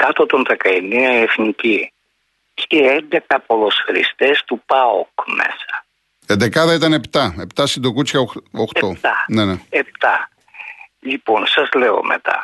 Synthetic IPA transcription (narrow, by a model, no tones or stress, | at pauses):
kɐt̪ot̪o̞nðekɐeneɐefnici | ceɛnd̪e̞kɐpo̞losxɾist̪est̪upɐo̰kmḛsɐ̥ | end̪ekɐðɐit̪ɐne̞pt̪ɐe̞pt̪ɐsind̪okut͡sçɐooxteot̪ɐneneep̚t̪ɐ | ʎiponsɐzle̞o̞̰mʔe̞̰t̪ɐ̰